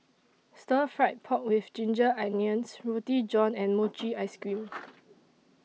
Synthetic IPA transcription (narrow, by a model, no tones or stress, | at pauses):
stəfɹaɪt̚pʰɔʔ̚wɪfd͡ʒĩnd͡ʒəʔɛniə̃nsɹutid͡ʒɔ̃nɛ̃nmot͡ʃiaɪskɹĩm